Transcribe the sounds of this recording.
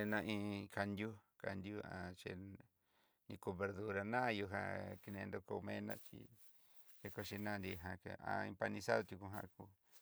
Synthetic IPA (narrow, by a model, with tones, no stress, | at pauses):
nã˧ʔĩ˧kʰa˧nd̪ʲju˦ka˧nd̪ju˦ã˧t͡ʃḛ˧ | nĩ˧ko˧βe˧ɾðu˧ɾa˧nã˦˧ju˧ɦã̰˧ki˧nẽ˧nd̪o˧ko˧u˧mẽ˧˦nã̰˦˧t͡ʃḭ˧ | t͡ʃe˧ko˧ʃi˧nã˦˧nd̪i˧ɦã˧ke˧a̰˧ĩ˧pa˧nĩ˧sa˦ðo˧t̪ju˧ku˧ɦã˧ʔku˧